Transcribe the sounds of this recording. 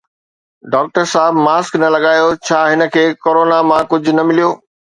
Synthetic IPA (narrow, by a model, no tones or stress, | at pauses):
ɖaːk̚ʈəɾsaːɦɪbmaːsknɐlɐɠaːjot͡ɕʰaːɦɪnə̆kʰeːkoːɾoːnamãkʊd͡ʑʱʊ̆nɐmɪlijoː